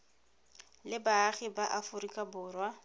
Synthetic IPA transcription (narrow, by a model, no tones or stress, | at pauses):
lɪbaːχɪbaʔafʊrikʼabʊːrwa